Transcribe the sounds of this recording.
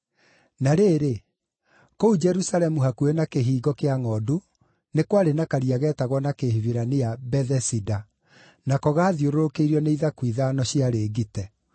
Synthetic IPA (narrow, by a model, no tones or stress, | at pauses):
naɾeːɾe | koud͡ʒɛɾusalɛmuɦakuenakeɦiːɡɔkeaŋɔdu | nekwaɾenakaɾiaɣɛːtaɣwɔnakeɦiviɾanijabɛðɛsida | nakɔɣaːðioɾoɾokeiɾiɔneiðakwiðanɔɕiaɾeːɡitɛ